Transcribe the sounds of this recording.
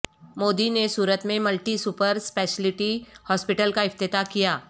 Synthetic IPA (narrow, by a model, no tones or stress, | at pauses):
moːd̪inesuːɾət̪mẽmɐlʈisupəɾspɛːʃəlɪʈihɔːspɪʈəlkaɪft̪ɪt̪akijaː